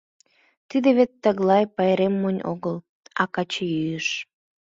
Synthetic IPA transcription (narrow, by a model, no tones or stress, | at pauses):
t̪id̪eβet̪ːəɣlɑjpɑjɾemːonʲo̰ɣəl | ɑkɑt͡ɕejyjəʃ